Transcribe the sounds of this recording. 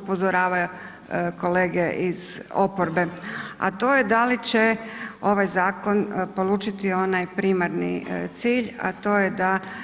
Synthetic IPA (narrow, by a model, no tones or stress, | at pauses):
upo̞zoɾaːʋaju | ko̞leːɡeʔizo̞poɾbe̞a̰t̪o̞ːjed̪alit͡ɕeo̞ʋajzaːko̞npo̞lˠuːt͡ʃit̪io̞najpɾimaɾnḭt̪siːʎa̰t̪o̞ːjed̪a